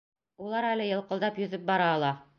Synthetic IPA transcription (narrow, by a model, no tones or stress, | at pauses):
ulˠɑɾælɘjɤ̆lˠqɤ̆lˠd̪ɑpjɵ̆ðɘp̚bɑɾɑːlˠɑ